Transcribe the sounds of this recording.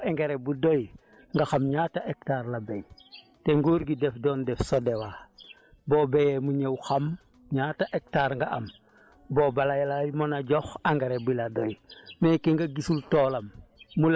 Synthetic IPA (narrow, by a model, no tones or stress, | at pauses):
eŋɡeɾebudoj | ŋɡaxamɲaːtaʔek̚taːɾlabej | teŋɡuːɾɡidɛfdɔːndɛfsodewa | boːbejɛmuɲewxam | ɲaːtaʔek̚taːɾŋɡaʔɐm | boːbalajalajimonaɟɔxaŋɡeɾebiladojmɛːkeŋɡaɡisultoːlɐmːul